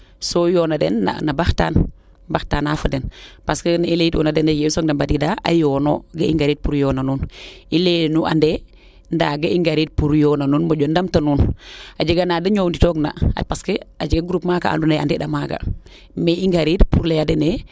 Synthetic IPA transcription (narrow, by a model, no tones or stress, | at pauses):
sojoːnadḛnːa̰nabaxta̰ːn | baxtaːnafadenpaskənaileitjo̰nadenejesoɡdambadidaa̰joːnoɡaḭŋɡaɾiːt̚puɾjonanunilenuʔa̰nde | ndaɡaiŋɡaɾid̚puɾjonanuːnmoɟondamtanuːnad͡ʒəɡanadəɲownditoɡna̰paskəad͡ʒiɡaɡuɾupmaka̰a̰ndunea̰ndedamaka̰ | meiŋɡaɾidpuɾlejadene